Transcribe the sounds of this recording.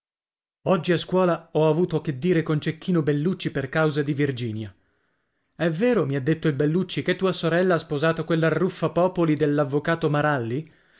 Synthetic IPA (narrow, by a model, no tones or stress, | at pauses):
ɔd͡ʒːiaskwɔːlaɔavuːt̪oakːed̪ːiːɾekont͡ʃek̟ːiːnobelːut͡ʃːiperkawzad̪ivird͡ʒiːnja | ɛveːɾomiad̪ːet̪ːoilbelːut͡ʃːiket̪ːuːasoɾɛlːaaspozaːt̪okwelːarːufːapɔːpolid̪elːavːokaːt̪omaɾalːi